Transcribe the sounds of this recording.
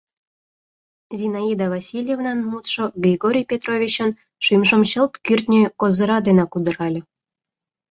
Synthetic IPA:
zʲinɑid̪ɑvɑsʲilʲjevnɑnmut̪ʃoɡrʲiɡoɾʲijpʲet̪rovʲit͡ɕə̆n | ʃimʃə̆mɕə̆lt̪kyrʲt̪ʲnʲĕkozɤ̆ɾɑd̪enɑkud̪ɤ̆ɾɑlʲɤ̆

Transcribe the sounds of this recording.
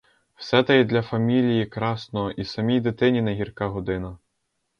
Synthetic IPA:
w̥sɛt̪ɐjɛd̪lʲɐfɐmʲilʲijikɾɑsnɔɔʔisɐmʲijd̪ɪt̪ɪnʲineɦʲirkɑɦɔd̪ɪnɐ

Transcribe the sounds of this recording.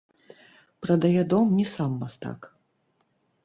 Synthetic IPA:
pɾɐd̪ajɛd̪ɔmnʲisamːast̪a̰k

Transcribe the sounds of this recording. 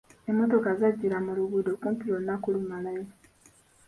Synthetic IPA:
emːo̞to̞kazaɟːiɾamuluβudokumpiɾonːakulumalaje

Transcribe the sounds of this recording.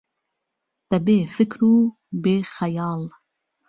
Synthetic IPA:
d̪̥ɛbeːfɨkɾuː | beːxɛjɑːl

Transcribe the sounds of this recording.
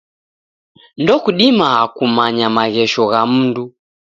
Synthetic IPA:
ndɔkuɗimaːkumaɲamaɣɛʃɔɣam̩ndu

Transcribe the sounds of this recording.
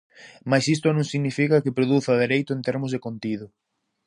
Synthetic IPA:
majsist̪ʊnõŋsiɣnifikɐkɪpɾoðuθaðeɾejt̪ʊẽnt̪eɾmʊzðekont̪iðʊ

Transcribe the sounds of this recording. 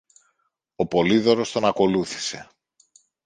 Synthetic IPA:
o̞po̞liðo̞ɾo̞st̪o̞nɐko̞luθi̥se̞

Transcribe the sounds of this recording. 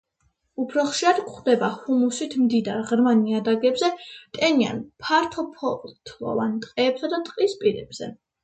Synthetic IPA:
upʰɾɔχʃiɾad̪̥kχd̪ɛbahumusit̪ʰmd̪id̪aɾʁɾmaniad̪aɡɛbzɛt̪ʼɛnia̰npʰaɾt̪ʰɔpʰɔt̪ʰlˠɔ̰vant̪ʼqʼɛːbzad̪at̪ʼqʼispʼiɾɛ̰b̥z̥ɛ

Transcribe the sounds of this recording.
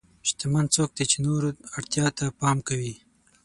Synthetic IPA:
ʃt̪amant͡sok̚d̪et͡ʃenoɾaɽt̪jɑt̪apɑmkawi

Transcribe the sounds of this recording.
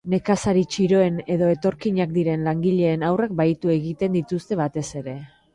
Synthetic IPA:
ne̞kasaɾit͡ʃiɾo̞e̞ne̞ðo̞e̞t̪o̞ɾkiɲak̚d̪iɾe̞nlaŋɡiʎe̞ːnawrak̚bajt̪ue̞ɣit̪e̞nd̪it̪ust̪e̞βat̪e̞se̞ɾe̞

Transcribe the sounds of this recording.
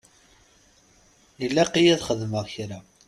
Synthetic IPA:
jəlːæqːijæðχəðməʁçɾæ

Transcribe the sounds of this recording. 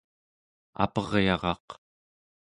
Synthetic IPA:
a̰pʌʁjɑʁɑ̰q

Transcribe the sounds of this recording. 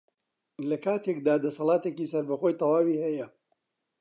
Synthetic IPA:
lɐkaːt̪ʰekd̪aːd̪ɐsɑlˠaːt̪ekiːsɐɾbɐxojt̪ˤɑwaːwiːhɐjɐ

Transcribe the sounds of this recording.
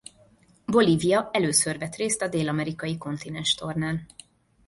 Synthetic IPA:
bo̞liːvijɒɛløːsørvɛt̪reːst̪ɒd̪eːlɒmɛɾikɒjiko̞nt̪inɛnʃt̪o̞rnaːn

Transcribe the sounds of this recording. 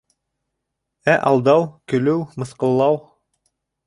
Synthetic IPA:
æʔɑlˠd̪ɑwkɵ̆lɘwmɤ̆sqɤ̆lˠːɑw

